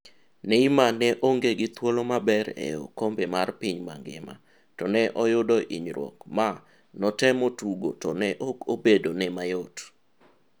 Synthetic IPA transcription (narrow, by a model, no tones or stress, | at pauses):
neimanɛʔoŋɡeɡɪt̪wolomabɛɾɛ̰jo̰kombemarpiɲma̰ŋɡɪ̰ma̰ | tɔnɛʔɔjʊdɔʔḭɲɾwɔ̰kma | nɔtɛmɔtuɡotɔnɛʔokobedonɛmajot